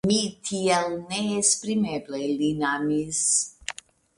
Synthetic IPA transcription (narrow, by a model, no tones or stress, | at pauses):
mit̪ʰiɛlnɛspʼɾimɛblɛlinamis